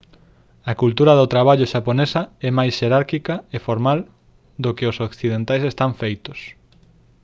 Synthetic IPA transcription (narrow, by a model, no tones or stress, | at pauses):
ɐkult̪uɾɐðʊt̪ɾaβ̞aʎʊʃaponesɐɛmajsʃeɾaɾkikɐefoɾmal | d̪okɪʊsokθið̞ent̪ajsest̪aɱfejt̪ʊs